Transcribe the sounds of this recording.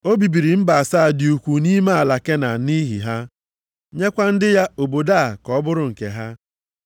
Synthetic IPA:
o˦bi˨bi˨ɾi˨m̩˦ba˨a˨sa˦˨dɪ˨u˨kʷu˨ni˦me˦a˨la˨ke˦na˨ni˦ɦḭ˨ɦa˦ | ɲe˦kʷa˦n̩˦dɪ˦ja˦o˨bo˨da˦a˨kɔ˨˦bʊ˦ɾʊ˨ŋ̩˨kḛ˨ɦa˦

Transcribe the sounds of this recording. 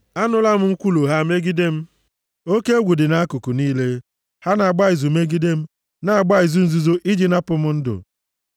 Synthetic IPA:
a˦nʊ˦la˦m̩˦ŋ̩˦kʷu˦lu˨ɦa˦˨me˦ɡi˦de˦m̩˦ | o˦ke˦ɡʷu˨dɪ˨na˦a˦kʊ˨kʊ˨niː˦le˦ | ha˦na˨a˨ɡ͡ba˦i˨zu˨me˦ɡi˦de˦m̩˦ | na˨a˨ɡ͡ba˦i˨zu˦n̩˦zu˦zo˦ʔi˦d͡ʒi˨na˦pʊ˨m̩˦n̩˦dʊ̰˨

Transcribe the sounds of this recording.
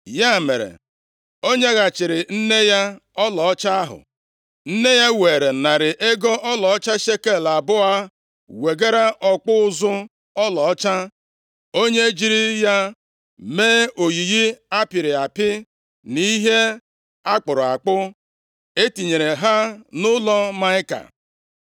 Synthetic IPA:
ja˦˨mḛ˨ɾḛ˨ | o˦ɲe˦ɣa˨t͡ʃɪ˨ɾɪ˨n̩˦ne˦ja˦ɔ˦lɔ˨ɔ˦t͡ʃa˦a˦ɦʊ̰˨ | n̩˦ne˦ja˦we˨ɾe˨na˨ɾɪ˨ʔe˦ɡɔ˦ʔɔ˦lɔ˨ɔ˦t͡ʃa˦ʃe˦ke˦˨la˨bʊ˦a˦ | we˨ɡe˦ɾa˦ʔɔ˨k͡pʊ˦ʊ˦zʊ˦ | ɔ˦lɔ˨ɔ˦t͡ʃa˦ | o˦ɲe˦d͡ʒi˦ɾi˦ja˦ | meː˦o˨ji˨ɣi˦a˦pɪ˨ɾɪ˨a˨pɪ˦ | ni˦ɦe˦ | a˦k͡pʊ˨ɾʊ˨a̰˨k͡pʊ˦ | e˦ti˨ɲe˨ɾe˨ɦa˦nʊ˦lɔ˦ma˦ɪ˦ka̰˨

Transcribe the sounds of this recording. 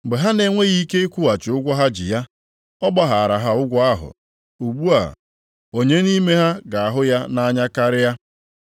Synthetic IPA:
ɡ͡be˨ɦa˦ne˨ŋʷe˦ɣi˦i˦ke˦e˦kʷu˦wa˨t͡ʃɪ˨ʊ˦ɡʷɔ˦ɦa˦d͡ʒɪ̰˨ja˦ | ɔ˦ɡ͡ba˦ɦa˨a˨ɾa˨ɦa˦˨ʊ˦ɡʷɔ˦a˦ɦʊ̰˨ | u˨ɡ͡bu˦a̰˨ | o˨ɲe˦ni˦me˦ɦa˦ɡa˨a˨ɦʊ˦ja˦na˦ɲa˦ka˦ɾɪ˦ja˦

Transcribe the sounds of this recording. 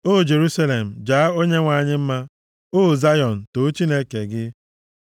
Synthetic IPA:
o˦˨d͡ʒe˨ɾu˦sa˦le˨m̩˨d͡ʒaː˨a˦o˦ɲe˦ŋʷa˨ɲɪ˦m̩˦ma˦ | o˦˨za˦jɔ˨n̩˨to˨˦t͡ʃi˦ne˦ke˨ɡɪ˦

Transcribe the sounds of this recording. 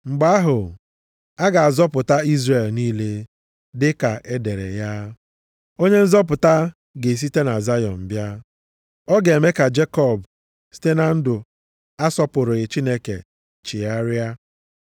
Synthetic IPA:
ŋ͡m̩˨ɡ͡ba˦a˦ɦʊ˨ | a˦ɡa˨a˨zɔ˦pʊ˨ta˦i˦zre˨lniː˦le˦ | dɪ˦ka˨ʔe˦de˨ɾḛ˨ja˦ | o˦ɲe˦n̩˦zɔ˦p̬ʊ˨ta˦ | ɡe˨s̬i˦te˦na˨za˦jɔ̰˨nm̩˨bja˦ | ɔ˦ɡe˨me˦ka˨d͡ʒe˦kɔ˦˨b | si̥˦te˦na˨n̩˦dʊ˨ | a˦sɔ˦pʊ˨ɾʊ˨ɣɪ˨t͡ʃi˦ne˦ke˨ | t͡ʃɪ˨a˦ɾja˦

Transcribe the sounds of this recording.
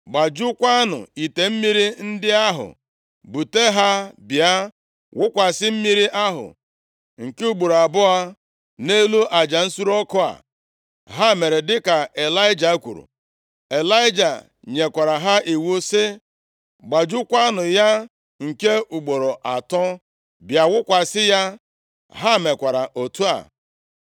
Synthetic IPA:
ɡ͡ba˨d͡ʒu˦kʷa˦nʊ̰˨i˨te˨m̩˦mi˦ɾi˦n̩˦dɪ˦a˦ɦʊ̰˨ | bu˨te˦ɦa˦bja˦ | wʊ˦kʷa˨sɪ˦m̩˦mi˦ɾi˦ʔa˦ɦʊ̰˨ | ŋ̩˨ke˦u˦ɡ͡bu˨ɾa˨bʊ˦a˦ | ne˦lu˦ʔa˨d͡ʒa˨n̩˦su˦ɾɔ˦kɔ˦a̰˨ | ɦa˦˨me˨ɾe˨dɪ˦ka˨e˨la˦ɪ˦d͡ʒa˨˦kʷṵ˨ɾṵ˨ | e˨la˦ɪ˦d͡ʒa˨ | ɲe˨kʷa˨ɾa˨ɦa˦i˨wu˦sɪ˦ | ɡ͡ba˨d͡ʒu˦kʷa˦nʊ˨ja˦ | ŋ̩˨ke˦u˨ɡ͡bo˨ɾo˨ʔa˨tɔ˦ | bja˨wʊ˦kʷa˨sɪ˦ja˦ | ɦa˦˨me˨kʷa˨ɾa˨ʔo˨tu˦a̰˨

